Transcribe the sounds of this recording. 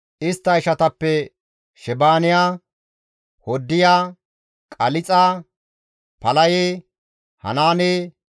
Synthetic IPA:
ʔɪst̪ːɐɪʃɐt̪ɐpːɛ | ʃɛbaːnɪjaː | hɔd̪ːɪjaː | kʼɐlɪt͡sʼaː | pɐlɐjeː | hɐ̰naːneː

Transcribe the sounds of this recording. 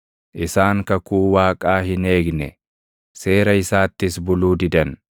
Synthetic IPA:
ʔɪsaːŋkɐkuːwaːkʼaːhɪne̞ːɡnɛ̰ | se̞ːɾɐɪsaːt̪ːɪsbʊluːd̪ɪd̪ɐn

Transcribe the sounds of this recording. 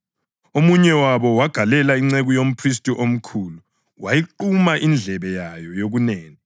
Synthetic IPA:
omuɲɛwaβɔwaɡ̥ʱalɛlaiŋ͡ǀeɣujom̩pʰris̬tʼiʔom̩kʰuːlu | wajiǃumaʔind͡ɮʱɛβɛjajɔjoɣuneːŋi

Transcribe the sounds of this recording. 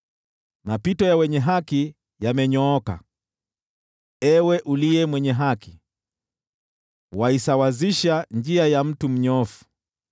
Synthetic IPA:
mapitɔjawɛɲɛɦaki | jamɛɲɔɔka̰ | ɛwɛʔuliɛmwɛɲɛɦaki̥ | waisawaziʃand͡ʒiajam̩tum̩ɲɔfu̥

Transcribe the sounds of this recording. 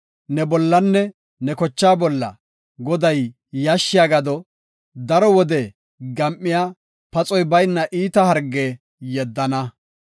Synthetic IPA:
nɛbɔlːɐnːɛ | nɛkɔt͡ʃːaːbɔlːɐ̰ | ɡɔd̪ɐjː | ɐʃːɪjaːɡɐd̪ɔ | d̪ɐɾɔwɔd̪ɛ | ɡɐmʔːɪjaː | pɐt͡sʼɔjbɐjnːɐʔiːt̪ɐhɐɾɡeː | jɛd̪ːɐnɐ

